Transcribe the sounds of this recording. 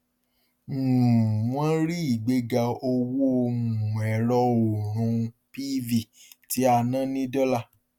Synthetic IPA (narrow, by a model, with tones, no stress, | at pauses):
m̩˨w̃ɔ̃˦ɾi˦i˦˨ɡ͡be˧˦ɡa˧o˧wu˦o˧mũ˨ũ˨ɛ˨ɾɔ˧o˨ɾ̃ũ˨˧ | pi˦vi˨ti˨˦a˧nã˦˨˦nĩ˦dɔ˦la˦˨